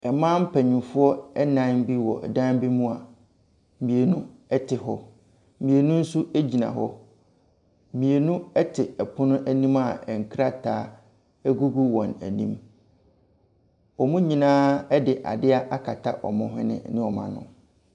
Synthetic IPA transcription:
ɛ˨mãː˦m̩˦pʰæ˨ɲũ˨fʊ˦ɔ˦ɛ˦nã˦n˦bi˦wɔ˨ɛ˨dã˦n˦bi˦mũ˦a˨ | mĩ˨e˨nũ˦ | ɛ˦tʰɪ˨ɦɔ˦ | mĩ˨e˨nũ˦n̩˦su˦æ˦d͡ʑi˨nã̰˨ɦɔ˦˨ | mĩ˨e˨nũ˦ɛ˦tʰɪ˨ɛ˨pʰʊ̃˦nʊ̃˦ʔæ˦nĩ˦ma˨ɛ˨ŋ̩˨kʰɾa˦tʰaː˦ | ɛ˦ɡu˦ɡu˦wɔ̃˨næ̰˨nḭ̃˦m | ɔ˨mũ˦ɲĩ˨nãː˦ɛ˦dɪ˨ʔa̰˨dɪ˦a˦ʔa˦kʰa˨tʰa˦ʔɔ̰˨mʊ̃˨ɦɪ̰̃˦nɪ̰̃˦nɪ̃˦ɔ˨mã̰˨nʊ̰̃˦

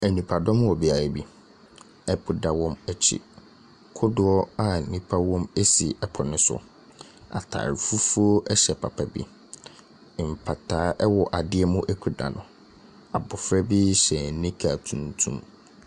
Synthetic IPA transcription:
ɛ˨nĩ˨pʰa˨dɔ̃˦m˦wɔ˨bɪ˨a˨ɾa˨bi˦ | ɛ˦pʰʊ˨da˨wɔ̃˦mɛ˦t͡ɕʰḭ˨ | kʰʊ˦dʊ˨˦ɔ˦a˨nĩ˦pʰa˦wɔ̃˦me˦si˨ɛ˦pʰɔ˨nʊ̃˦sʊ̰˦ | a̰˨tʰa̰ː˨ɾi˨fu˦fu˦o˦ʔɛ˦ɕɛ˨pʰa˨pʰa˨bḭ˦˨ | m̩˨pʰa˨tʰaː˨˦ʔɛ˦wɔ˨ʔa˨dɪ˦ɛ˦mʊ̃˦ʔɛ˦kʰu˨da̰˨nʊ̃˨ | a˨bʊ˨fɾɛ˦bi˦ɕɛ˨nĩ˦kʰa˨tʰũ˨ntʰṵ̃˦m

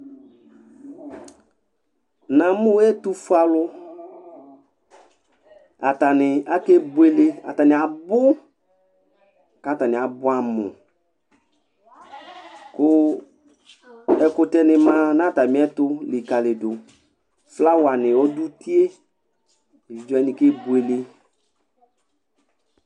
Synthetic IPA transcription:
nã˨mʊ̃˦ɛ˦tu˦fu˦a˨lʊ˦ | a˨ta˨nɪ˨a˦ke˦bʊ˦e˨le˦a̰˨ta˨nɪ˨a˨bʊ˦ | ka˨˦˨ta˨nɪ˨a˨bʊ˦a˨mʊ̰̃˨ | kʊ˦ | ɛ˨kʊ˦tɛ˦nɪ˨mã˦nã˦˨ta˨m˨˦ɛ˦tʊ˦lɪ˨ka˨lɪ˨dʊ˨ | fla˦wa˨nɪ˨ɔ˦du˦ti˦e˦ | i˨vi˨d͡ʒɔ˦ɛ˦nɪ˨ke˦bu˨e˨le˦

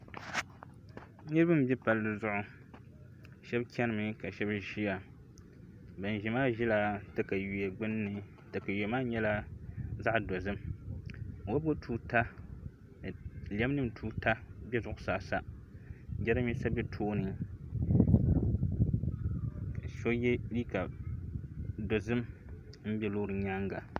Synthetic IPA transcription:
nɨ˦ɾɨ˦bɨ˦m˨bjɛ˦pa˨lːɨ˨zʊ˦ʔʊ˦ | ʃɛ˦bkʰʲɛ˦nɨ˦mɨ˨ka˨ʃɛ˦bʒi˦ja˨ | bɨ˨n˨ʒi˨maː˦ʒi˦la˦tɨ˦ka˨ju˨jɛ˨ɡ͡bɨ˦nː˦ɨ˨ | tɨ˨ka˨jo˨maː˦ɲɛ˦la˦za˦ʔdo˨zɨ˦m | wo˦bo˦tʰuː˦ta˦˨ | lɛ˦m˦nɨ˦mtʰuː˦ta˦bʲɛ˦zʊ˦ʔʊ˨˦saː˨sa˦ | d͡ʒɛ˦ɾɨ˦mi˦sa˦bʲɛ˦tʰoː˦nɨ˨ | ka˨ʃo˦jɛ˦li˦ka˨ | do˨zɨ˦m | m̩˦bʲɛ˦lo˦ɾɨ˨ɲa˦ŋɡa˨

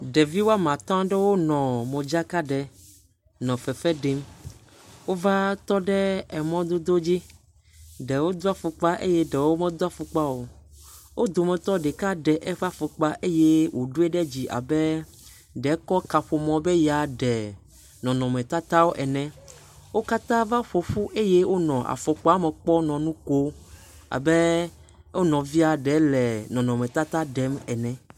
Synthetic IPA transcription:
ɖɛ˨vi˦wa˦mã˨t̪ã˦ɖe˦wo˦nɔ̃˨mẽ˨d͡ʒa˦ka˦ɖɛ˨ | nɔ̃˨fɛ˨fɛ˦ɖe˦m | wo˦va˦t̪ɔ˦ɖɛ˦ɛ˨mɔ̃˦d̪o˦d̪o˦d͡ʑi˦ | ɖɛ˨wo˦d̪o˦a˦fu˨k͡pa˦ʔḛ˦jɛ˦ɖɛ˨wo˦mɛ̃˦d̪a˦fu˨k͡pa˦wo˨ | wʔo˦d̪o˨mɛ̃˨t̪ɔ˦ɖe˨ka˦ɖɛ˨ʔɛ˦ɸa˦fu˨k͡pa˦ʔe˦je˦wo˨ɖu˦e˦ɖɛ˦d͡ʑi˨ʔa̰˨bɛ˦ | ɖɛ˨˦kɔ˦ka˨ɸo˨mɔ̃˦be˦ja˨ɖɛ˨ | nɔ̃˨nɔ̃˨mɛ̃˨t̪a˦t̪a˦wo˦ʔɛ˨nɛ̃˨ | wo˦ka˦t̪ã˦va˦ɸo˨ɸu˦ʔe˦je˦wo˦nɔ̃˨ʔa̰˨fɔ˨k͡pɔ˦a˦mɛ̃˨k͡pɔ˦nɔ̃˨nũ˦ko˦ | a̰˨be˦ | o˦nɔ̃˨vi˦a˨ɖɛ˨˦lɛ˨nɔ̃˨nɔ̃˨mɛ̃˨t̪a˦t̪a˦ɖɛ˦mɛ˨nɛ̃˨

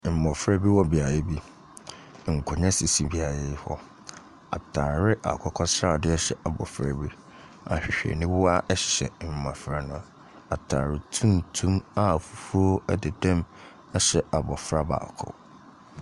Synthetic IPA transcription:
m̩˨mɔ̃˨fɾa˦bi˦wɔ˦bi˨a˨jɛ˦bi˦˨ | ŋ̩˨kʰʊ˨ɲã˦si˨si˦bi˨˦a˨jɪ˦hɔ˦ | a̰˨tʰaː˨ɾɪ˦ʔa̰˨kʰɔ˦kʰɔ˦sɾa˦˨dɪ˦ɛ˦ɕɛ˨ʔa˨bɔ̰˨fɾa̰˦bi˦ | a̰˨hɕᶣɛ̰˨nɪ̃˦wʊ˦a˦ʔɛ˦ɕɪ̥˨ɕɛ˨m̩˨mã˨fɾa˦nʊ̃˦˨ | a˨tʰa̰ː˨ɾɪ˨tʰũ˦n˨tʰũ˦ma˨fu˦fu˦o˦ɛ˦dɪ˨dã˦m | a˦ɕɛ˨a˨bɔ˨fɾa˦ba̰ː˨kʰʊ̰˦

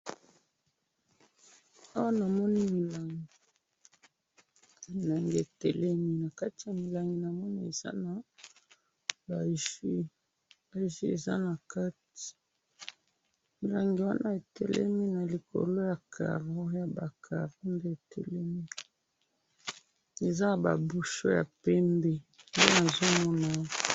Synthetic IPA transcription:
a˦wa˦na˨mɔ˦ni˦mi˨la˨ŋɡi˨ | mi˨la˨ŋɡe˨tɛ˨lɛ˦mi˦na˨ka˦ti˨ja˨mi˨la˨ŋɡi˨na˨mɔ˦ni˦e˨za̰˦na˨ | ba˨ʒi˦ | ba˨ʒi˦ḛ˨za̰˦na˨ka˦ti̥˨ | mi˨la˨ŋɡi˨wa˦nʔa˦e˨tɛ̰˨lɛ̰˦mi˦na˨li˨ko̰˨lo˦ja˨kʰa̰˨ʁo˦ja˨ba˨kʰa̰˨ʁo˦nde˦e˨tʰɛ̰˨lɛ˦mi˦ | e˨za˦na˨ba̰˨bu˦ʃo˦ja̰˨pɛ˦mbɛ˦nde˦na˨zo˦mɔ˦na˦

